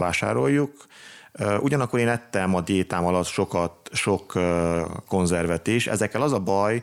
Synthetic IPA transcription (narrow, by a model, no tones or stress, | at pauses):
aːʃa̰ːɾo̞jːukː | ʔuɟɒnɒkːoɾeːnɛt̪ːɛmɒd̪eːt̪aːmɒlɒt̪ʃo̞kɒt̪ʃo̞kː | o̞nzɛrvɛt̪iːʃɛ̰zɛkːɛlɒzɒbɒj